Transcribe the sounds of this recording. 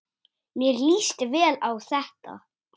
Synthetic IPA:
mjɛɾliːst̪ɪvɛːlawθɛht̪a̰

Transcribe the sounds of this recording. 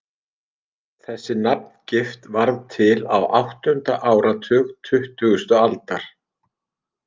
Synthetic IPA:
θɛsːɪnap̚n̥cɪft̪vaɾðt̪ʰɪlawʔawht̪ʏnt̪aʔaːwɾat̪ʰʏːɣt̪ʰʏht̪ʏɣʏst̪ʏalt̪aɾ̥

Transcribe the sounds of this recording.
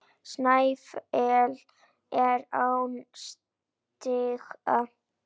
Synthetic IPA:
snajfɛl | ɛɾawns | t̪ɪxa

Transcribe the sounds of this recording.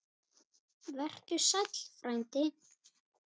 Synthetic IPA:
vɛr̥t̪ʏsat̪l̥fɾajnt̪ɪ

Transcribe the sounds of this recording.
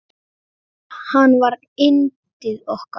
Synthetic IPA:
hanvaɾ | ɪntt̪ɪðɔhka

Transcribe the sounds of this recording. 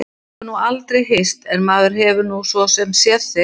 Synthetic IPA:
ʏnualt̪ɾejɦest̪ɛnmaːðʏɾ̥ɦɛvʏnusvɔsɛmsjɛθɪ

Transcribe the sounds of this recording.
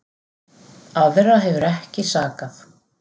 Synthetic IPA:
awvɛrːaɦɛvʏɾɛhcɪsaːkaθ

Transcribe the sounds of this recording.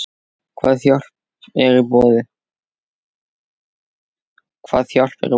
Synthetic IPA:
kʰvaːðθjɔl̥p | ɛɾipɔːðɪ | kʰva̰ːðθjar̥pɛ̰ɾɪ

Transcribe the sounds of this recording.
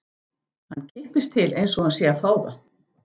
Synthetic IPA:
hanːcʰɪhpɪst̪ʰɪlejnsɔhansjɛafaːwða̰

